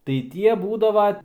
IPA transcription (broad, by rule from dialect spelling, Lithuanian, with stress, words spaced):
tɐɪ ˈtʲiɛ ˈbuːdɐʋɐ